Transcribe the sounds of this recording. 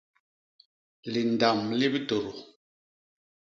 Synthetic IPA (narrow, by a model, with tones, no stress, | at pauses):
li˨n˨da˨mli˦bto˨ɾo˨